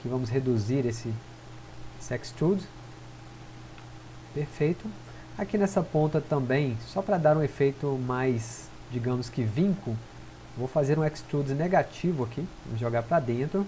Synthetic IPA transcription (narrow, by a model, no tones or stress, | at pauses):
kɪvɐ̃mʊsɦed̪uziɾesɪ | esɪɛkst̪ɾud̪ | peɾfejt̪ʊ | akinɛsɐpõnt̪ɐt̪ɐ̃mbẽj̃sɔpɾɐd̪aɾũefejt̪ʊmajs | d͡ʒiɡɐ̃mʊskɪvĩkʊ | ewvowfazeɾũɛkst̪ɾud̪zneɡat͡ʃivʊakivɐ̃mʊzʒoɡaɾpɾɐd̪ẽnt̪ɾʊ